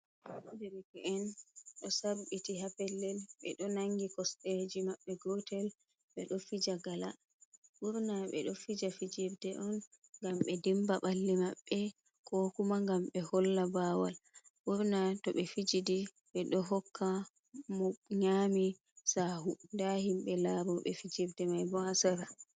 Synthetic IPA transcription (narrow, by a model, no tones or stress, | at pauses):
dɛɾikɛɛnɗɔsaɾɓitiɦapɛlːɛlɓɛ̰ɗɔnaŋɡikɔsɗed͡ʒimaɓːɛɡɔtɛl | ɓɛɗɔfid͡ʒaɡala̰ | ɓuɾnaɓɛ̰ɗɔfid͡ʒafid͡ʒiɾdɛʔɔn | ŋɡamɓɛdimbaɓalːimaɓːɛ | kʰɔkumaŋɡamɓɛhɔlːabawalɓuɾnatɔɓɛfid͡ʒidi | ɓɛɗɔɦɔkːa | mɔɲaːmi | sahundahimɓɛlaːɾɔɓɛ̰fid͡ʒiɾdɛmajbɔhasaɾa